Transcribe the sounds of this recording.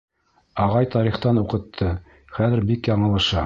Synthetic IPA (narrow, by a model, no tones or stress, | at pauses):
ɑʁɑjt̪ɑɾiχt̪ɑnuqɤ̆t̪ʰːɤ | χæðɘ̆ɾbikjɑɴɤ̆lˠɤ̆ʃɑ